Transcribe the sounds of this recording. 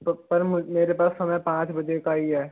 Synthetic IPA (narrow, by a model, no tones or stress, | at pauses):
pɐɾmʊmeːɾepaːsːɐməpãːt͡ʃbɐd͡ʒekaiɦɛː